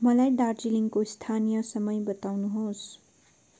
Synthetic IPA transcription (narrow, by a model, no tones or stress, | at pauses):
mʌlajd̪ard͡ziliŋkost̪ʰanijʌsʌmʌjbʌt̪awnuɦos